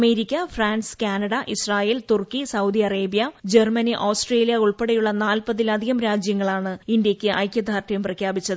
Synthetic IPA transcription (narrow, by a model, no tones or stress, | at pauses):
me̞ːɾikʲːɐfraːnskaːnɐɽɐʔisraːjeːlt̪urkːisɐwd̪iɐreːbijɐd͡ʑermɐniʔoːsʈre̞ːlijɐuɭpeɽɐjuɭːɐnaːlpɐðilɐd̪ʱiɣɐmɾaːd͡ʑjɐŋːɐɭaːɳɨind̪jɐkʲːɨʔɐjkʲjɐd̪ʱaːrtːɐjumprɐkʰjaːbit͡ɕːɐðɨ